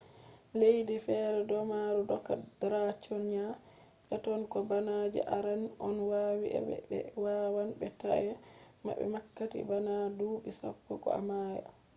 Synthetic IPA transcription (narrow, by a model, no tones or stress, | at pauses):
lejdifɛɾɛdɔmaɾudɔkːadɾat͡ʃɔnɲa | ʔɛtɔnkɔbanad͡ʒɛ̰ʔaɾanɔnwawiʔɛ̰bɛ̰bɛ̰wawanbɛta̰ʔɛma̰bɛ̰makːatḭbanaduɓisa̰pːɔkɔ̰a̰maja̰